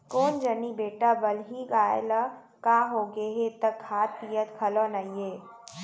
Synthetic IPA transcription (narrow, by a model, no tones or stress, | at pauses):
koːnd͡ʒənibeːʈabəlɦiɡaːḛla | kaːɦoːɡeɦet̪əkʰhaːt̪ːijət̪kʰɐlonaijeː